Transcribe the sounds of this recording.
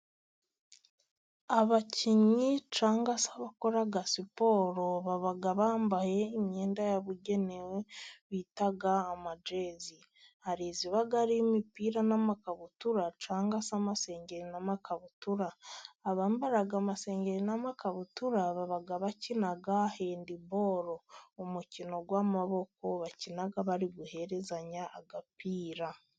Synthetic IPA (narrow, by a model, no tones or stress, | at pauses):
aβaciɲit͡ʃaːŋɡasaβako̞ɾaɡasipo̞ːɾo̞βaβaɡaβaːmbahe̞ːmɲe̞ːndajaβuɟe̞neweβiːtaɡaːmad͡ʒezi | haɾiːziβaɡaɾimipiːɾanamakaβutuɾat͡ʃaːŋɡasamase̞ːɲɟe̞ɾinamakaβutuɾaːβaːmbaɾaɡamase̞ːɲɟeɾinamakaβutuɾaβaβaɡaβacinaɡaheːndibo̞ɾo̞omucino̞ɡwaːmaβo̞ko̞βacinaɡaβaɾiɡuhe̞ɾe̞zaɲaʔːɡapiːɾa